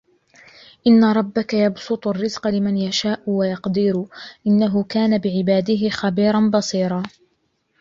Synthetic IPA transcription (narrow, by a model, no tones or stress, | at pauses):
ʔɪnːaɾˤɑbːakajɑbsʊt̪ˤarːɪzqɑlɪmanjaʃaːʔʊwajɑqd̪ɪɾʊʔɪnːaɦʊkaːnabɪʕɪbaːd̪ɪɦɪxabiːɾˤɑnbɑsˤiːɾˤɑː